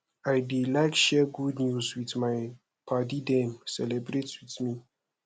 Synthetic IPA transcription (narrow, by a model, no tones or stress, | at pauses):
ajdilajkʃɛɡudnjuswitmaj | pʰatidɛ̃msɛlɛbɹetwitmi